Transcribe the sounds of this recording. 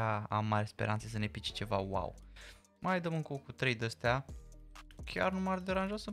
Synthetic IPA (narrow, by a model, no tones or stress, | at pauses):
aa̰mːaɾʲespe̞ɾʔa̰ntses̬əne̞pit͡ʃe̥t͡ʃe̞vawa̰w | majd̪əmɨŋkokut̪ɾejd̪əst̪ea | kʲʰa̰rnumaɾd̪eɾanʒosə